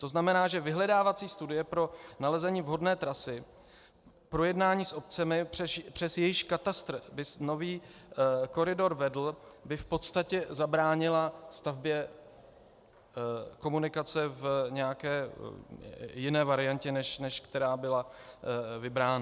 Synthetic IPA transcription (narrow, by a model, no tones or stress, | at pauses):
t̪o̞znamɛnaːʒɛvɪɦlɛdaːvat͡siːst̪udɪjɛpɾo̞nalɛzɛɲiːvɦo̞dnɛːt̪ɾasɪ | pɾo̞jɛdnaːɲiːsʔo̞p̚t͡sɛmɪrɛpr̝̥ɛsjɛjɪʃkat̪ast̪ɾbɪsno̞viː | ko̞ɾɪdo̞ɾvɛdl̩bɪfpo̞t̪st̪acɛzabɾaːɲɪlast̪avbjɛ | ko̞munɪkat͡sɛvɲɛjakɛː | jɪnɛːvaɾɪjancɛnɛʃnɛʃkt̪ɛɾaːbɪla | vɪbɾaːna